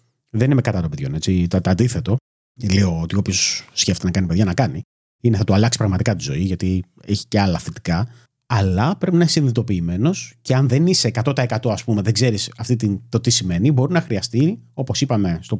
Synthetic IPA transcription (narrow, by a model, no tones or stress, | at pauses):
ðe̞nimekɐt̪ɐt̪opeðʝo̞ne̞t͡sit̪ɐt̪ɐnd̪iθe̞t̪o̞ | leo̞ot̪io̞pço̞sːcefe̥t̪nɐkɐnipe̞ðʝɐnɐkɐni | ineθɐt̪uɐlɐksi̥pɾɐɣmɐt̪ikɐt̪izo̞̰iʝɐt̪i | eçi̥ce̞ɐlɐθet̪i̥kɐ | ɐlɐpɾe̞pinɐiçsinðit̪o̞piːme̞no̞sceɐnðenise̞ːkɐt̪o̞t̪ɐe̞kɐt̪oɐspume̞ðe̞ɡze̞ɾisɐft̪it̪int̪o̞t̪isime̞nibo̞ɾinɐxɾiɐst̪io̞po̞sipɐme̞st̪o̞